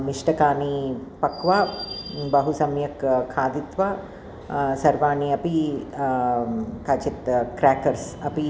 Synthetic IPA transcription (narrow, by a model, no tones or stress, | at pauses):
miʂʈɐkaːnipɐkʋaːbɐɦusɐmjɐkkʰaːd̪it̪ʋaː | sɐɾʋaːɳiɐpi | kaːt͡ʃit̪kɾaːkɐɾsɐpi